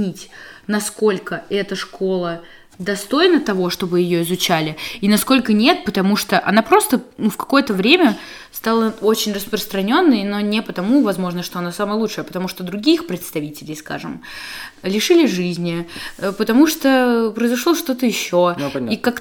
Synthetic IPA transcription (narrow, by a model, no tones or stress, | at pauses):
nʲitʲnɐsko̞lʲkəɛt̪əʂkʰo̞lˠə | d̪ɐst̪o̞jnət̪ɐvo̞ʂt̪o̞bɨjɪjoɪzʊt͡ɕælʲɪinɐsko̞lʲkənʲe̞t̪̚pət̪ɐmuʂt̪oʔɐ̰napɾo̞st̪ənufkɐ̥ko̞jət̪əvɾʲemʲə | st̪alˠəot͡ɕɪnʲrəspɾəst̪ɾɐnʲo̞nːəjno̞nʲɪpət̪ɐmuvɐzmo̞ʐnəʂt̪o̞ɐnasaməjəlˠutʂɨjɐpət̪ɐmuʂt̪od̪ɾʊɡʲixpɾʲɪt̪st̪ɐvʲitʲɪlʲɪjska̰ʐɨm | lʲɪʂɨlʲɪʐɨzʲnʲɪpət̪ɐmuʂt̪opɾəɪzɐʂlˠoʂt̪o̞t̪əjɪɕːoikak